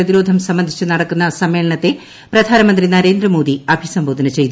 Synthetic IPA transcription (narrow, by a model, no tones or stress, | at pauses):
ɐðiɾo̞ːd̪ʱɐmsɐmbɐnd̪ʱit͡ɕːɨnɐɽɐkːunːɐsɐmːe̞ːɭɐɳɐt̪ːe̞ | prɐd̪ʱaːnɐmɐnd̪rinɐɾe̞ːnd̪ɾɐmo̞ːd̪iɐbʱisɐmbʱoːd̪ʱɐnɐt͡ɕe̞jt̪ː